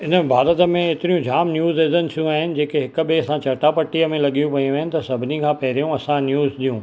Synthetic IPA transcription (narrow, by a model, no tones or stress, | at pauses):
ɪnəbʱaːɾət̪ə̆mẽɪt̪ɪɾijũd͡ʑʱaːmnjuːzezənɪt̪ʰijũaːɦɪnɪ̆d͡ʑeːkeɦɪk̆ɓeɐsãt͡ɕɐʈapɐʈːiəmẽlɐɠijũʋɐjũʋɐɦənɪ̆t̪ɐsɐbʱɪnikʰãːpɐɦɪɾijũɐsãnjuːzɗijũː